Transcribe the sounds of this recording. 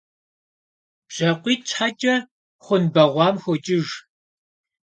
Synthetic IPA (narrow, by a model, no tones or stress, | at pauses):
b̥ɕɐqʷiːt͡ʃħat͡ʃʼɐ | χʷʊnbɐʁʷɑːmxʷʊt͡ʃʼɪʒ